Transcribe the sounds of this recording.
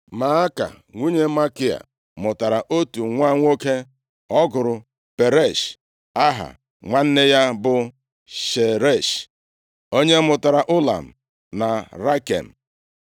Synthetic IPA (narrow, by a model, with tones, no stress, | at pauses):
ma˨a˦ka̰˨ | ŋʷu˦ɲe˦ma˦kɪ˦a̰˨ | mʊ˨ta˨ɾa˨ʔo˦tu˨ŋʷa˦ŋʷ˦o˦ke˦ | ɔ˦ɡʊ˨ɾʊ˨ | pe˨ɾe˦˨ʃ | a˦ɦa̰˨ | ŋʷa˦n̩˦ne˦ja˦bʊ˨ | ʃe˨ɾe˦˨ʃ | o˦ɲe˦mʊ˨ta˨ɾa˨ʔʊ˦la̰˨m̩˨ | na˨ɾa˦kḛ˨m̩˨